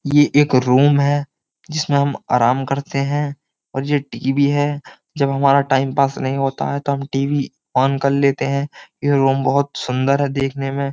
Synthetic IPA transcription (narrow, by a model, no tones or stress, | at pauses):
jeʔeːkɾuːmɦɛ | d͡ʒɪsmẽɦɐma̰ːɾaːmkɐɾt̪eɦɛ̃ | ɔːɾjeʈiːʋiɦɛ | d͡ʒɐbɦɐmaːɾaʈaːɪmpaːsnɐɦĩɦoːt̪a̰ɦɛt̪oɦɐmʈiːʋi | ɔːnkɐɾleːt̪eɦɛ̃jeɾuːmbɐɦʊt̪sʊ̃nd̪əɾɦɛd̪eːkʰnemẽ